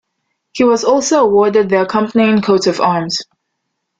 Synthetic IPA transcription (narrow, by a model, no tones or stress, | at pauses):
hiwʌzɔˑlˠsoʊəwɔɹdɨd̪̚ðəəkʰʌ̃mpəniɨ̃nkʰoʊɾʌvɑɹmz̥